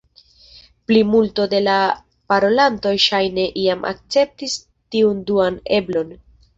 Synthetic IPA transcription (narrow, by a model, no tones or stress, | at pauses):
plimulto̞de̞la | paɾo̞lanto̞jʃajne̞ʔiamʔa̰k̚t͡se̞p̚tis | tiunduane̞blo̞n